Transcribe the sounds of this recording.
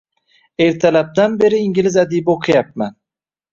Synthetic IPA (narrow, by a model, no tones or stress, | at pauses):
eɾt̪ʰælæp̚d̪anbe̞ɾiːŋɡilizad̪ijboqʰɨjap̚man